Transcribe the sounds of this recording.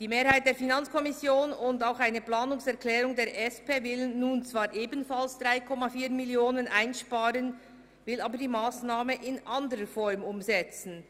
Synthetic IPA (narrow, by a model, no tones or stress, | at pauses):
d̥iːmeːɐhaɪt̚d̥eːɐfinant͡skʰɔmɪsjoːnʊndaʊxaɪnəplaːnʊŋsɛʁklɛːɾʊŋdeːɐɾʔɛspeːvɪlːuːnt͡sv̥aːɾʔeːbnfalsd̥ʁaɪkʰɔmafiːɾmɪljoːnənʔaɪnʃpaːɾən | vɪlaːbədiːmaːsnaːməʔɪnʔandəɾəfɔɾmʊmzɛt͡sn̩